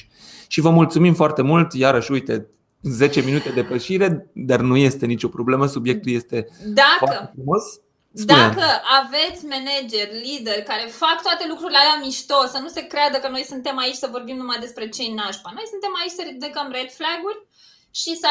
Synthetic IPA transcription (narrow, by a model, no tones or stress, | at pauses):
ʃivəmult̪sumimfoart̪e̞mult̪jaɾəʃujt̪e̞ | ze̞t͡ʃe̞minut̪e̞d̪e̞pəʃiɾe̞d̪arnuje̞st̪e̞nit͡ʃʲo̞pɾo̞ble̞məsubje̞k̚t̪uljest̪e̞d̪aakəefɾumo̞s | d̪uekəave̞t̪sʲmened͡ʒe̞rʲlid̪erʲkaɾe̞fak̚t̪oat̪e̞lukɾuɾilealamiʃt̪o̞sːənuse̞kɾead̪əkəno̞jsunt̪e̞mait͡ʃʲsəvo̞rbimnumajd̪e̞spɾe̞t͡ʃe̞jnaʃpano̞jsunt̪e̞mait͡ʃʲsəɾid̪ekəmred̪flaɡurʲ | ʃisə